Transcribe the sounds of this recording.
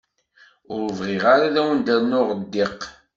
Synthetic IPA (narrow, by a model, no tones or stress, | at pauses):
ʊɾvʁɪʁaɾaðæwənd̪æɾnʊʁəd̪ːɪq